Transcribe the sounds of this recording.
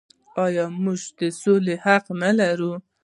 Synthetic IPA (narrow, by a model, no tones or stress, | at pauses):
ɑjɑmuʒd̪əsolehaqnalaɾu